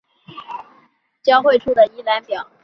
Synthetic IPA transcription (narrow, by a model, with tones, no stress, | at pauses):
t͡ɕjɑ˥ʊxwe˥˧ɪʈ͡ʂʰu˥˩d̪ə˩i˥la˧˥npjɑ˨˩˦ʊ